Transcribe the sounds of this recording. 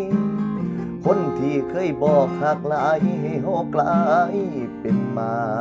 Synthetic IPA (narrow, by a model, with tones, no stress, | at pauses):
kʰo˧˥˨nt̪ʰiː˧˩kʰɤː˧˥˨jbɔː˨˩k̚ha˧˩k̚laː˧˦˨jɦa˧˩jɦɔː˧˥˩klaː˧˦jpe˨nmaː˧